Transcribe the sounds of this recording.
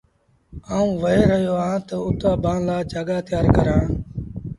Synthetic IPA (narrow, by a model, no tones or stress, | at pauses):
aːũːʋəeːɾəɦjoːãːt̪əʊt̪aːbãːnlaːd͡ʒʱaːɡaːt̪ʰɪjaːɾkəɾãː